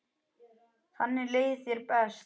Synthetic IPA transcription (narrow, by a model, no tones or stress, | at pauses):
θanːɪleːjθjɛɾpɛs